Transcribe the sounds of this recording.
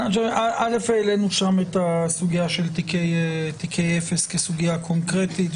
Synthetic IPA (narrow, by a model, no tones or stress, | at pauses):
t͡ʃoʔaʔalefeːlenuʃamet̪asuɡijaʃelt̪ikejt̪ikʰejefeskesuɡijakʰoŋkʁetit